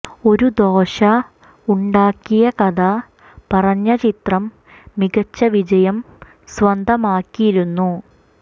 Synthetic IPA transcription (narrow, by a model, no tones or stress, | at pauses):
o̞ɾud̪o̞ːɕɐ | uɳɖaːkːijɐkɐd̪ɐ | pɐrɐɲːɐt͡ɕit̪rɐmː | iɡɐt͡ɕːɐʋid͡ʑɐjɐm | swɐnd̪ʱɐmaːkːijiɾunːu